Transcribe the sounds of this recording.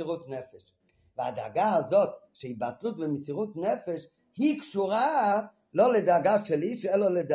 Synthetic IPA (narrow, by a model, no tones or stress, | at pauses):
iʁut̪nɛfɛʃ | vɪa̰da̰ɡaazot̪ʃɛibat̪lut̪vɪmɪt͡siʁutnɛfɛʃ | hikʃuɾa | lolɪdaɡaʃɛliʃɛlalɪd